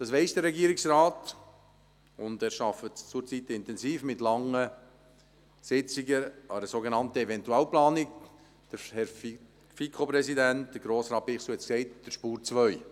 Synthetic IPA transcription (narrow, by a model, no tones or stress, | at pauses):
d̥ɑsʋɛɪsd̥əɾːɛɡiːəɾiksɾaːt | ʊndɛːɾʃɑfətt͡sʊɾt͡sitɪntɛnziːfmɪtlɑŋːə | sɪt͡siɡəɑəɾəsoɡenɑntəɛvɛntuɛlplɑːnik | d̥əhɛɾ | fikʰopɾɛsidɛntd̥əɾɡɾoːsɾɑːt̚b̥iːχsuɛt͡sksɛɪtd̥əɾʃpuːɾt͡sʋœʏ